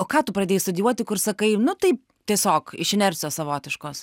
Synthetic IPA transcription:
oːkɑːt̪ʊpɾɐd̪ʲeːjst̪ʊd̪ʲjuɔt̪ʲɪkʊɾsɐkɐɪnʊt̪ɐɪp̚ | t̪ʲiɛsʲoːkɪʃɪnʲɛɾʲt͡sʲjoːssɐʋoːt̪ʲɪʃkoːs

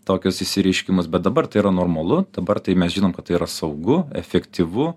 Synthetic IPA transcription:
t̪oːkʲʊsɪsʲɪɾʲɛɪʃʲkʲɪmʊsbʲɛt̪̚d̪ɐbɐrt̪ɐɪiːɾɐnoːrmɐlˠʊd̪̥ɐbɐrt̪ɐɪmʲɛsʒʲiːnoːmkɐt̪ːɐɪiːɾɐsɐʊɡʊɛfʲɛkt̪ʲiʋʊ

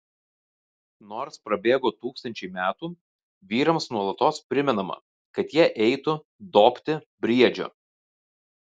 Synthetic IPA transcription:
noːɾspɾɐbʲeːɡoːt̪uːkst̪ɐnʲt͡ʃʲɛɪmʲæːt̪uː | ʋʲiːɾɐmsnuɔlˠɐt̪oːspʲɾʲɪmʲɛnɐmɐ̰ | kɐt̪jiɛʔɛɪt̪ʊ | d̪oːpʲt̪ʲɪ | bʲɾʲiɛd͡ʒʲo̰ː

